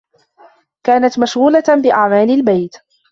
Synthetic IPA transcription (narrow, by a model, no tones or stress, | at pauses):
kaːnat̪maʃɣuːlabɪʔaʕmaːlɪlbajt̪